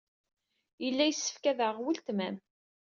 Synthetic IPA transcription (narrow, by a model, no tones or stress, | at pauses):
jəlːæjsːə̥fkæðəʁwilt̪mæm